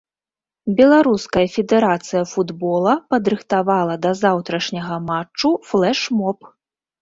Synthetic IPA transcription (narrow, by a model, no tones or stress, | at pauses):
bʲɛlˠaɾuskɐjɐfʲɛd̪ɛɾat̪sɨjɐfud̪bɔlˠɐpɐd̪ɾɨxt̪avalˠɐd̪ɐzawt̪ɾɐʂnʲɐɣɐmat͡ʂːuflˠɛʂmɔp